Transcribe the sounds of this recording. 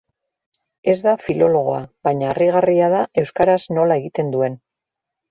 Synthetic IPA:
e̞zd̪afilo̞lo̞ɣ̞o̞aβaɲaːriɣ̞ariaðae̞wskaɾasno̞lae̞ɣit̪e̞nd̪ue̞n

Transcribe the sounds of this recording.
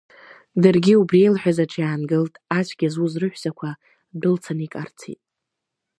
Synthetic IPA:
dɨrɡʲiubrejlħʷᶣazaʈ͡ʂʰjaːnɡɨltʼat͡ʃʷʰɡʲazuzrɨħʷzakʷʰa | bɨlt͡sʰanikʼa̰rt͡sʰḭtʼ

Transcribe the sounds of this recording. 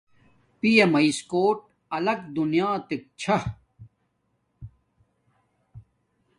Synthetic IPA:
pijɐmɐiskoːʈ̚ | ɐlɐkd̪unijaːt̪ik̚t͡ɕʰɐ

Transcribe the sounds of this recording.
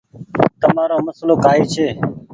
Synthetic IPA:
t̪əmaːɾoːməsloːkaːiːt͡ʃʰeː

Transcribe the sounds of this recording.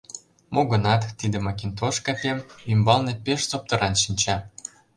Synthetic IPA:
moɣɤ̆nɑt̪ːid̪ə̆mɑkʲint̪oʃkɑpʲemymbɑlnepeʃt͡sop̚t̪ɤ̆ɾɑnʃinʲt͡ɕɑ

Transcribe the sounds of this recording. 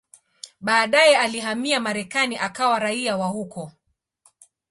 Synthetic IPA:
ɓaːɗajɛaliɦamiamaɾɛkaniʔakawaɾaiawahukɔ

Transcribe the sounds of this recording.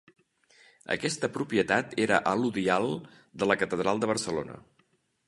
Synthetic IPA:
ə̰kɛst̪əpɾupiət̪at̪eɾəʔəluðialˠ | d̪ələkət̪əðɾalˠd̪əβərsəlo̰nə̰

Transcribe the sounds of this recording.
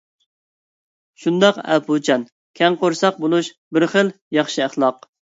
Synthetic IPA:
ʃund̪ɑqæ̰pʰut͡ʃʰɑn | kʲʰɛŋqoɾsɑq̚bolˠuʃbɪɾχəl | jɑχʃiæχlˠɑq

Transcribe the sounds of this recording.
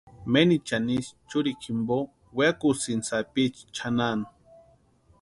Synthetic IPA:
menit͡ʃanist͡ʃuɾikʰimbo | wekusinsapit͡ʃt͡ʃʰanan

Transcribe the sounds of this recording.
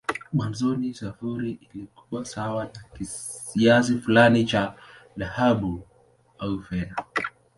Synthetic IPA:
mwanzɔnisafuɾiʔilikuwasawanakiias̬ifulanit͡ʃa | ðahaɓu | aufɛna

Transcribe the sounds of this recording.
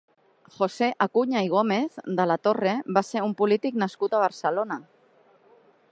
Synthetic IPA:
xo̞se̞ʔakuɲaiɣ̞o̞me̞θd̪alat̪o̞re̞βaseumpulit̪iknaskut̪aβ̞aɾsalo̞na

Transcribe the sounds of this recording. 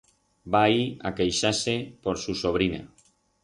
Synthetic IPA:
baia̰kejʃasepoɾsusoβ̞ɾina̰

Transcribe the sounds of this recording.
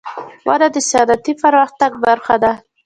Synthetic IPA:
wa̰ɾad̪əsɪjɑd̪at̪ipaɾmaxt̪aɡbaɾxad̪a

